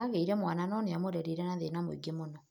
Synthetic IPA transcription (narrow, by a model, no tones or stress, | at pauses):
aɣeiɾɛmwananɔneamoɾɛɾeɾɛnaðenamo̰iɡemonɔ